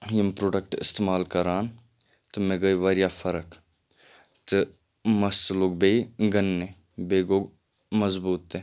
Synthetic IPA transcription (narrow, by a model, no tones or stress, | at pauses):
jɪmpɾoːɖək̚ʈɪ̰st̪eːmaːlkɐɾaːn | t̪ɨmeɡəiʋəɾjaːfʰɐɾək | t̪ɨ | mɐst̪loɡ̚beːiɡənːẽ | beːɡoːɡ | mɐzbuːt̪ːeː